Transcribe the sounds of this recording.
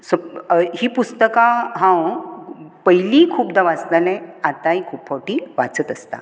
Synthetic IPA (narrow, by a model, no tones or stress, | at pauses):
səɦiːpust̪əkãɦãw | pəɦiliːkʰuːpd̪aʋat͡sd̪alɛ̃at̪ãɦikʰuːpfawʈiːʋat͡sət̪əst̪a̰